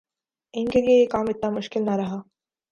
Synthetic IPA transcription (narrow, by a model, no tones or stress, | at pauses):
ɪnkelijejekaːmɪt̪namʊʃkɪlnaɾɐɦaː